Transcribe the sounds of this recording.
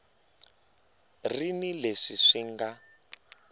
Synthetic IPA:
rinileʂiʂiŋɡa

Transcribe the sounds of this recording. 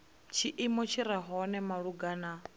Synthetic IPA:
t͡ʃʰiʔimɔt͡ʃʰiɾaɦɔnɛmaɺuɡaːna

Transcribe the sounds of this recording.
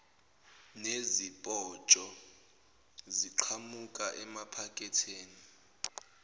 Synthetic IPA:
nezipʼɔt͡ʃʼɔ | ziǃʰamukʼaʔɛmapʰakʼɛtʰeːni

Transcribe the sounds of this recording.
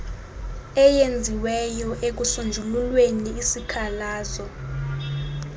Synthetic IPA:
ɛjend͡zʱiwɛjɔʔek̬usund͡ʒʱululweniːsikʰalaːzɔ

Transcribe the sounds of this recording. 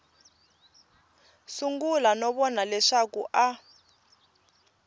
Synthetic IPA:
suŋɡulanɔβɔnalɛʂakuʔa

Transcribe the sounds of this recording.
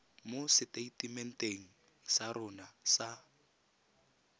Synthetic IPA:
mosɪteitʼimɛn̩tʼeŋ̩ | sarʊnasa

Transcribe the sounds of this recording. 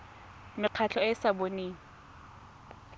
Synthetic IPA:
mɪq͡χʰat͡ɬʰɔɪsaboniːŋ̩

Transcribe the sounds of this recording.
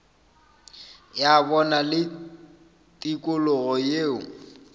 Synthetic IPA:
jabɔnalɪ | tʼikʼʊlʊɣɔjeːʊ

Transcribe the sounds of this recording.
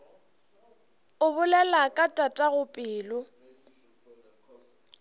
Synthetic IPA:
ʊbʊlɛlakʼatʼatʼaɣʊpʼɪːlʊ

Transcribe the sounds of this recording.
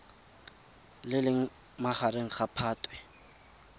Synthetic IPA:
lɪlɪŋ̩ | maχareŋ̩χapʰaːtʼwɛ

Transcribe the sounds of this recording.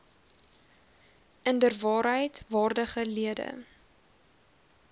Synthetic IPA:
əndərvɑːɾɦəjtvɑːrdəχəliədə̰

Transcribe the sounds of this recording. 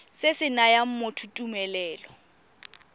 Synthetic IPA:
sɪsɪnajam̩motʰutʼumɛlɛːlɔ

